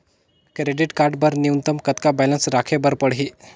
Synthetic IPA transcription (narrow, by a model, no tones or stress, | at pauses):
kɾeɖiʈkaɾɖbəɾniunt̪əmkət̪kabɛlənsɾakʰebəɾpəɽɦiː